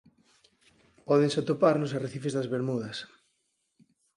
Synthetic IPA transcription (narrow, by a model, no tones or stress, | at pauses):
pɔðẽŋsat̪opaɾnosareθifezðɐzβeɾmuðɐs